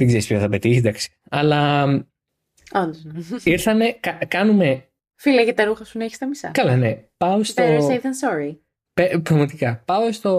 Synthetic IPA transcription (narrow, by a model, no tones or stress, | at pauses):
ðeɡzeɾispçoθɐpet̪içid̪ɐksi̥ | ɐlɐ | ond̪oiɾθɐne̞kɐkɐnume̞ | filɐʝɐt̪ɐɾuxɐsunɐeçi̥st̪ɐmisɐ̰kɐlɐne̞pɐost̪osɐiðɐnsoɾi | pepɾɐɣmɐt̪ikɐpɐost̪o̞